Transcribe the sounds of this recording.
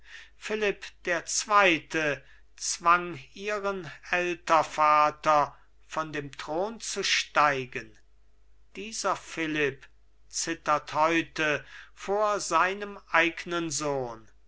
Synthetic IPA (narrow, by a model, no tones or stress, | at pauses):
fɪlɪpd̥eːɐt͡sv̥aɪtʰə | t͡sv̥aŋiːʁənɛltɐfaːtɐ | fɔndeːmtʁ̥oːnt͡suʃtaɪɡən | d̥iːzɐfɪlɪp | t͡sɪtɐthɔʏtəfoːɐzaɪnəmʔaɪɡnənzoːn